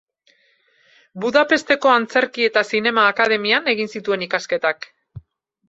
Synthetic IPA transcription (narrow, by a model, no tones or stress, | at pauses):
buðape̞st̪e̞ko̞ant͡se̞ɾkie̞t̪asine̞maːkaðe̞miane̞ɣinsit̪ue̞nikaske̞t̪ak